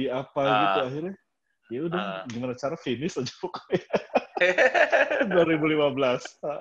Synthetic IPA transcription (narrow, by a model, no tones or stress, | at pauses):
iapaɡit̪uaɦiɾɲa | ijaudaŋɡimanat͡ʃaɾafenɪsad͡ʒapɔkɔja | duaɾibulimabəlasa